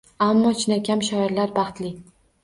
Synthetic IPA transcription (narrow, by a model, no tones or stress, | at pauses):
amːɒt͡ʃʰɪnakʲʰamʃɒɪɾlaɾbɑχt̪lɪ